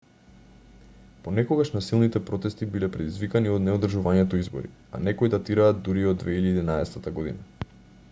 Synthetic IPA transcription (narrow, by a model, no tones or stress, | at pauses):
ponɛkoɡaʃnasilˠnit̪ɛpɾɔt̪ɛst̪ibilɛpɾɛd̪izvikaniod̪nɛod̪r̩ʒuvaɲɛt̪ɔizbo̰ɾḭ | a̰nɛkojd̪at̪iɾaːd̪d̪uɾiod̪vɛiliaːd̪inaɛsɛt̪at̪aɡod̪ḭna